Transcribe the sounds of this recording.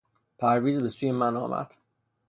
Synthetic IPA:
pʰæɾviːzbe̞suːjemænɒ̰ːmʔæ̰d̪̥

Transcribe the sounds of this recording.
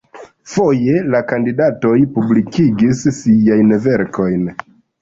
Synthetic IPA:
fo̞je̞lakandidato̞jpublikiɡissijajnve̞ɾkʰo̞jn

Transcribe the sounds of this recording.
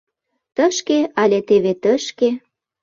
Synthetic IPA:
t̪əʃkeɑlʲet̪eβet̪əʃke

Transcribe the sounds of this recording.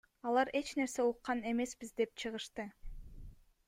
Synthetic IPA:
ɑlˠɑɾe̞t͡ʃne̞ɾse̞uqːɑne̞me̞sbizd̪e̞p̚t͡ʃʰɯʁɯʃt̪ɯ

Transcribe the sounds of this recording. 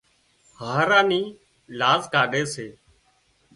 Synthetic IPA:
haːɾãːniː | laːzɡaːɖeːseː

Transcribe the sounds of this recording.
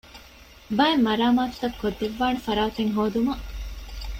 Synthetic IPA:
bɐemːɐɾaːmaːt̪u̥t̪ɐkːod̪ːeʋːaːnɐfɐɾaːt̪eŋɦoːd̪umɐʔ

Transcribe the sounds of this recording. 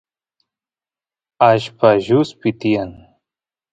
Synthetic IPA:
aɕpaʑuspit̪ijɐn

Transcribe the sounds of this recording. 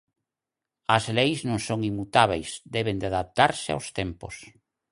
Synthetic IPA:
ɐzlejznõŋsoŋimːut̪aβejsd̪ɛβend̪ɪaðap̚t̪aɾsɪa̰wst̪ɛmpo̰s

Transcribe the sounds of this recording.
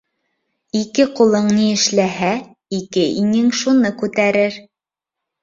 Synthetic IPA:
ikɘqulˠɤɴniɘ̆ʃlæɦæ | ikɘiŋɘŋʃunɤkʉt̪æɾɘɾ

